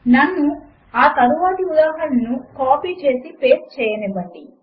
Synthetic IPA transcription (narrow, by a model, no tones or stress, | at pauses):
nɐnːu | aːk̪ɐɾuʋaːt̪iud̪aːɦɐlɐnukoːpiːt͡ʃe̞ːsipeːst͡ʃɛːjɐnibɐʈɖi